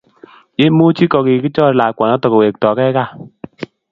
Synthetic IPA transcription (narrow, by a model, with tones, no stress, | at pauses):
je˦mo˦t͡ʃi˦kɔ˨ki˨ki˦t͡ʃɔ˦ɾla˨kwa˨na˦tɔ˨ko˨we˨k̚tɔ˨kɛ˦ka˦˨